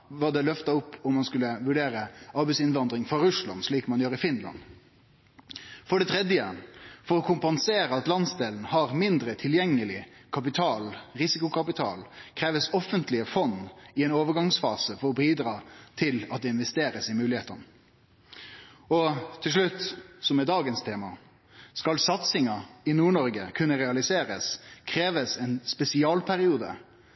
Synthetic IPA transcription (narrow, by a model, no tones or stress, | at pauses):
ʋɑd̪ɛlœft̪ɑʊpːʊmːɑnskʉləʋʉɖeːɾəɑɾbæɛsɪnʋɑnd̪ɾɪŋfɔɾʉʂlɑ̰nʂɭiːkmɑnjøːɾɪfɪnlɑ̰n | fɔɖɛt̪ʰɾɛd̪jəfɔɾɔkʰʊmpɑnseːɾəɑt̪lɑnsd̪eːln̩hɑɾmɪnd̪ɾət̪ʰɪljɛŋːəlɪkʰɑp̬ɪt̪ʰɑːlɾɪsɪkʊkʰɑpɪt̪ʰɑ̰ːlkʰɾeːʋəsɔfːənt̪lɪəfɔnːɪɛɪnoːʋəɡɑŋsfɑ̰ːsəfɔɾɔbiːd̪ɾɑːt̪ʰɪlɑt̪̚d̪ɛɪnʋɛst̪eːɾəsɪmʉːlɪheːt̪ɑnə | ɔt̪ʰːɪlʂ̬ɭʉt̪ːsɔmɛd̪ɑːɡənst̪ʰeːmɑ | skɑlsɑt̪sɪŋɑɪnuːɳɔɾɡəkʰʉnːəʁɛɑlɪseːɾəskʰɾeːʋəsɛnspɛsɪɑːlpʰæɾɪuːd̪ə̰